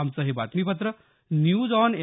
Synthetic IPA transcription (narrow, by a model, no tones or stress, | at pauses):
amt͡səɦebat̪miːpət̪ɾə | njuːd͡zɔne